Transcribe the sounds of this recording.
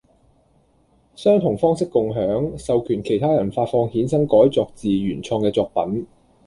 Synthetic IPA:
sœː˥ŋt̪ʰʊ˨˩ŋfɔː˥ŋsɪ˥kːʊ˨ŋɦœː˨˥ŋsɐ˨wkʰyː˨˩nkʰe˨˩jt̪ʰaː˥jɐ˨˩nfaː˧t̚fɔː˧ŋhiː˨˥nsɐ˥ŋkɔː˨˥jt͡sɔː˧k̚t͡siː˨jyː˨˩nt͡ʃʰɔː˧ŋkɛː˧t͡sɔː˧k̚pɐ̰˨˥n

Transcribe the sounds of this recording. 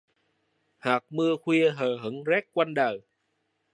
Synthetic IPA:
haː˨˩k̚mɨ˧əxwi˧əɦəː˨˩ɦə˨˦ŋzɛ˦˥k̚kwa˧nɗəː˨˩

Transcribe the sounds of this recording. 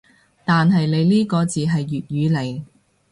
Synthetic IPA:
t̪aː˨nɦɐ˨jle˨˧jliː˥kɔː˧t͡siː˨ɦɐ˨jːyː˨t̚jyː˨˧le˨˩j

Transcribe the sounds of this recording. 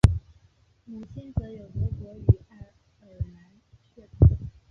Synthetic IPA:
mu˨˩t͡ɕʰi˥nt͡sɤ˧˥jo˨˩ʊpɔ˧˥kwɔ˧˥y˨˩˧ | ə˨˩na˧˥n | ɛ˥˩t̪ʰu˨˦

